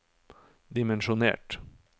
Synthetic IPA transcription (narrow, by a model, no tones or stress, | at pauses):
d̪ɪmɛnʃʊnḛːʈ